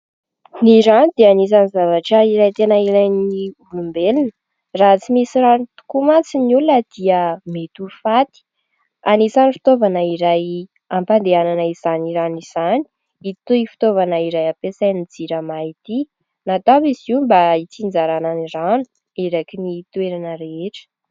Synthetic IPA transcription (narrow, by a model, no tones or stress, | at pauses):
niɾanid̪ianizanizavaʈ͡ʂəiɾajt̪enəiɾajnibulumbelinə | raɦat͡simisiɾant̪u̥kumat͡sinulunəd̪̥iəmet̪ufat̪i̥ | anisanfi̥t̪ovanəiɾaj | ampand̪eananəiz̥aniɾaniz̥ani̥ | it̪uifi̥t̪ovanəiɾajapesajnid͡ziɾəmait̪i | nat̪abizimbait͡sind͡zaɾananiranu̥ | iɾakinit̪ueɾanəɾeeʈ͡ʂə̥